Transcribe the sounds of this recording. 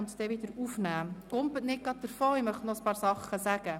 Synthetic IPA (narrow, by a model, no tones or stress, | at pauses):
nt̪d̥̪ɛʋɪd̪əɾufnæ̥ːʊmpətnɪt̚ɡ̥ɑt̪̚d̪əɾfoːɪmœχtnɔəspɑːɾsɑχːəsæɡ̥ə